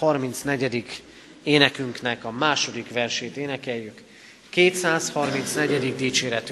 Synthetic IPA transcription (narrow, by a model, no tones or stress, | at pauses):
hɒrmint̪snɛɟɛd̪ik | eːnɛkyŋknɛkɒmaːʃo̞d̪ikʋɛrʃeːt̪eːnɛkɛjːykː | eːt̪saːshɒrmint̪snɛɟɛd̪iɡ̚d̪iːt͡ʃeːɾɛt̪y